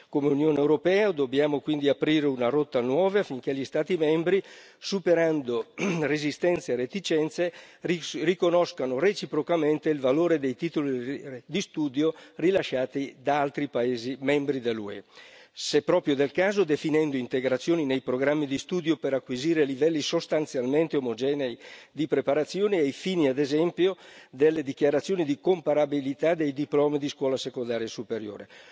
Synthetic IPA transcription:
komeunjoːnewɾopɛːad̪objaːmokwind̪iapɾiːɾeunaɾɔt̪ːanwɔːvaafiŋkeʎist̪aːt̪imɛmbɾi | supeɾand̪orezist̪ɛnt̪seɾet̪it͡ʃɛnt̪se | rikonɔskanoret͡ʃipɾokament̪eilvaloːɾed̪ejt̪it̪olid̪ist̪uːd̪jorilaʃaːt̪id̪aalt̪ɾipaeːzimɛmbɾid̪elːṵɛ̰sepːɾɔːpɾjod̪elkaːzod̪efinɛnd̪oint̪eɡɾat̪sːjoːninejpɾoɡɾamːid̪ist̪uːd̪jopeɾakːwiziːɾelivɛlːisost̪ant̪sjalment̪eomod͡ʒɛːnejd̪ipɾepaɾat̪sːjoːniejfiːniad̪ezɛmpjod̪elːed̪ikjaɾat̪sːjoːnid̪ikompaɾabilit̪ad̪ejd̪iplɔːmid̪iskwɔːlasekond̪aːɾjesupeɾjo̰ːɾe

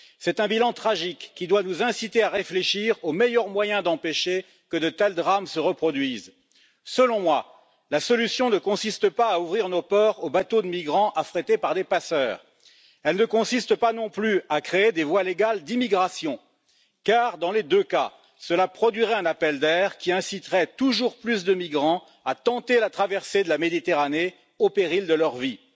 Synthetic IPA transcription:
sɛt̪ɛ̃bilɑ̃t̪χaʒikːid̪wanuzɛ̃sit̪eaʁefleʃiʁomɛjœʁmwajɛ̃d̪ɑ̃peʃe | kəd̪ət̪ɛld̪ʁamsəʁəpχɔd̪ɥiz | səlɔ̃mwa | lasɔlysjɔ̃nəkɔ̃sist̪əpaːuvʁiʁnopɔʁobat̪od̪əmiɡʁɑ̃ʔafχet̪epaʁd̪epasœːʁ | ɛlnəkɔ̃sist̪əpanɔ̃plyakχeed̪evwaleɡald̪imiɡʁasjɔ̃ | kaʁd̪ɑ̃led̪øka̰ | səlapχɔd̪ɥiʁɛɛ̃napɛld̪ɛːʁkʲiɛ̃sit̪ʁɛt̪uʒuʁplys̬d̪əmiɡʁɑ̃ | at̪ɑ̃t̪elat̪χavɛʁsed̪əlamed̪it̪eʁane | opeʁild̪əlœʁvi

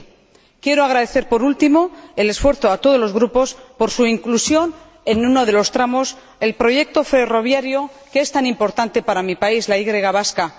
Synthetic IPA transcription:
kje̞ɾoaɣ̞ɾaðe̞θe̞ɾpo̞ɾult̪imo̞ele̞sfwe̞ɾθoat̪o̞ð̞o̞zlo̞zɣɾupo̞spo̞ɾsuiŋklusjo̞n | enuno̞ð̞e̞lo̞st̪ɾamo̞s | e̞lpɾo̞ʝe̞k̚t̪o̞fe̞ro̞β̞jaɾjo̞ | keest̪anĩmpo̞ɾt̪ant̪e̞paɾamipaizlaiɣɾe̞ɣaβ̞aska

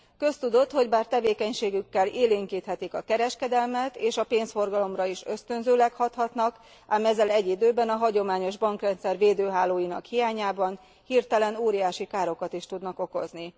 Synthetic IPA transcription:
kø̞st̪ud̪o̞t̪ho̞ɟbaːrt̪ɛveːkɛɲʃeːɡykːɛleːliːŋkiːt̪hɛt̪ikɒkɛɾɛʃkɛd̪ɛlmɛt̪eːʃɒpeːnsfo̞rɡɒlo̞mrɒiʃø̞st̪ø̞nzøːlɛkhɒt̪hɒt̪nɒk | aːmɛzːɛlɛɟːid̪øːbɛnɒɦɒɟo̞maːɲo̞ʒbɒŋkrɛnt̪sɛrveːd̪øːɦaːloːjinɒ̰khijaːɲaːbɒn | hirt̪ɛlɛnoːɾijaːʃikaːɾo̞kɒt̪iʃt̪ud̪nɒko̞ko̞̰zni

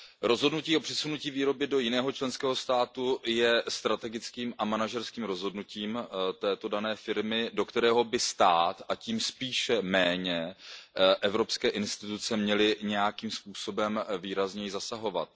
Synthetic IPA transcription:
ɾo̞zɦodnuciːo̞pr̥ɪsunuciːviːɾo̞bɪdo̞jɪnɛːɦot͡ʃlɛnskɛːɦo̞st̪aːt̪ujɛst̪ɾat̪ɛɡɪt͡skiːmʔamanaʒɛɾskiːmɾo̞zɦo̞dnuciːmt̪ɛːt̪o̞danɛːfɪɾmɪdo̞kt̪ɛɾɛːɦo̞bɪst̪aːt̪aciːmspiːʃɛmɛːɲɛ | ʔɛvɾo̞pskɛːʔɪnst̪ɪt̪ut͡sɛmɲɛlɪɲɛjakiːmspuːso̞bɛmviːɾazɲɛjɪzasaɦo̞va̰t̪̚

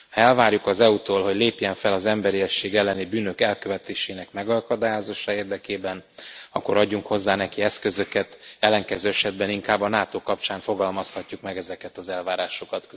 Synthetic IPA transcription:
hɒɛlvaːrjukɒzɛut̪oːlɦo̞ɟleːpjɛɱfɛlɒzɛmbɛɾiɛʃːeːɡɛlːɛnibyːnøkɛlkø̞vɛt̪eːʃeːnɛkmɛɡɒkɒd̪aːjozoːʃɒeːrd̪ɛkeːbɛnɒ̰kːo̞ɾɒɟːuŋkho̞zːaːnɛkiɛskø̞zø̞kɛt̪ɛlːɛŋkɛzøːɛʃɛd̪̚bɛniŋkaːbːɒnaːt̪oːkɒp̚t͡ʃaːɱfo̞ɡɒlmɒshɒcːukmɛɡɛzɛkɛt̪ɒzɛlvaːɾaːʃo̞kɒt̪k

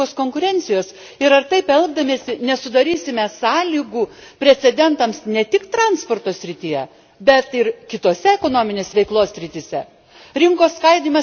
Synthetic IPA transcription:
oːskoːŋkʊɾʲɛnʲt̪sʲɪjoːs | ɪɾɐrt̪ɐɪpɛlˠɡd̪ɐmʲeːsʲɪnʲɛsʊd̪ɐɾʲiːsʲɪmʲɛsɑːlʲiːɡuːpʲɾʲɛt̪sʲɛd̪ʲɛnt̪ɐmsnʲɛt̪ʲɪkt̪ɾɑnspoːrt̪oːsʲɾʲɪt̪ʲijɛ | bʲɛt̪ɪɾkʲɪt̪oːsʲɛɛkoːnoːmʲɪnʲeːsʲʋʲɛɪklˠoːsʲsʲɾʲɪt̪ʲisʲɛ | ɾʲɪŋkoːskɐɪd̪ʲiːmɐ

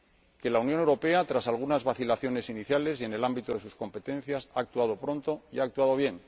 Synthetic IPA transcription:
ke̞launjone̞wɾo̞pe̞at̪ɾasalɣunazβaθilaθjo̞ne̞siniθjale̞se̞ne̞lambit̪oðe̞susko̞mpe̞t̪ẽ̞n̟θjasaːk̚t̪uað̞o̞pɾo̞nt̪o̞iaːk̚t̪uaðo̞β̞je̞ŋ

